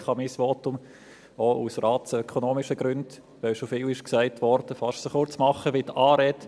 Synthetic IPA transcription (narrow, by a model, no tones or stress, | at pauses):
χɑmisʋoːtʊm | ousrɑːtsœkʰonoːmɪʃəɡ̥ɾʉnd̥ | ʋɛwʃofɪːlɪʃksæɪtʋɔɾd̥əfɑʃtsəχʊɾt͡smɑχəʋit̪ɑːɾɛt